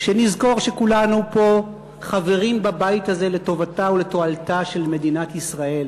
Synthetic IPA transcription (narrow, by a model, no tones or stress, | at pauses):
ʃenizko̞ʁʃe̞kulanupo̞ | χave̞ʁimbabaithaze̞leto̞vataoleto̞altaʃe̞lme̞dinatisʁae̞l